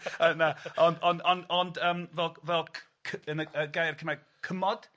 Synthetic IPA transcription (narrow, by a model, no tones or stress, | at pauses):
ənaɔnɔnɔnɔndəːmvɛlˠvɛlˠʰ | kʰəənəəɡajrkʰəma | kʰəmɔd̥